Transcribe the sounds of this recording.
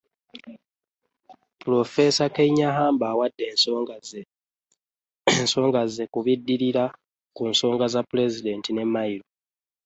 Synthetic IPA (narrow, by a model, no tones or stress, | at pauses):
pulo̞fe̞sakeɲaɦaːmbaːwadːe | enso̞ːŋɡaze̞kuβidːiɾiɾa | kunso̞ːŋɡazapule̞zide̞ːntine̞mːaiɾo